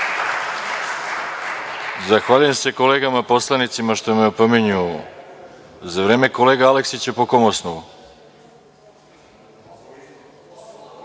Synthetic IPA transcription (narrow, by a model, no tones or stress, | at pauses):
zaxʋaːʎujemse̞ko̞le̞ːɡamapo̞slˠanit̪simaʃt̪omeopomiɲu | zaʋɾe̞ːme̞kole̞ːɡaale̞ksit͡ɕepo̞komosnu